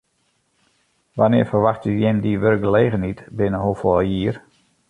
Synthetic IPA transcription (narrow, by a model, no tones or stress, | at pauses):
ʋanɪːrfərʋaxtyjɪmdiʋørk̚ɡəleːɣənitbɪnəɦoːfɔjiːər